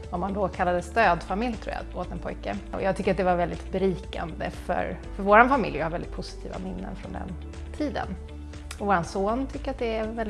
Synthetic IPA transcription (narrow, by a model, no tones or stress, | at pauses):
ɔmːand̪ɔkʰalːad̪əst̪øːd̪famɪljt̪ʰɾṵːja̰oːt̪ɛnpʰɔjkəɔ̰jɑːɡt̪ʰʏkːɾat̪̚d̪ɛvaɾvɛld̪ɪt̪bɛɾiːka̰nd̪ə̰fœ̰ɾ | fœɾvoːɾanfamɪ̰ljhaɾvɛlɪt̪pʰʊsɪ̥t̪ʰḭːva̰mɪnːə̰nfɾɔnd̪ɛ̰n | t̪ʰiːd̪ə̰n | ɔvoːɾansoːnt̪ʰʏkːəɾat̪̚d̪ɛævɛl